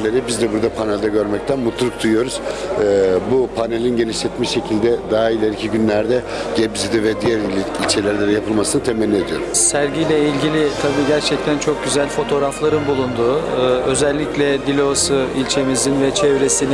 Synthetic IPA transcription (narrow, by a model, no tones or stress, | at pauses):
lʲeɾɛbizd̪ɛbuɾd̪apʰanɛlʲd̪ɛɟø̞ɾmɛc̚t̪ʰænmut̪lˠuluk̚d̪ujujo̞ɾuz̥ | bupʰanelʲinɟe̞niʃlʲɛt̪miʃe̞cʰilʲd̪ɛd̪aailʲeɾicʰiɟynlʲæɾd̪ɛ | ɟɛbizid̪ivɛd̪ijæɾilʲt͡ʃʰelʲæɾlʲed̪ɛjapʰɯlˠmasɯnɯt̪ʰemɛlʲːed̪ijo̞ɾuzsæɾɟijlʲɛilʲɟilʲit̪ʰabiːɟæɾt͡ʃʰɛc̚t̪ʰænt͡ʃʰo̞k̚ɟyzælʲfo̞t̪ʰo̞ːɾaflˠaɾɯnbulˠund̪uːø̞zɛlʲːiclʲɛd̪ilʲo̞sɯilʲt͡ʃʰe̞mizinvɛt͡ʃʰɛvɾe̞sini